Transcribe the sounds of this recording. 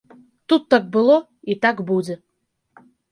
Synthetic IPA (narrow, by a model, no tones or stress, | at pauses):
t̪ut̪ːak̚bɨlˠɔ | it̪akbud͡zʲɛ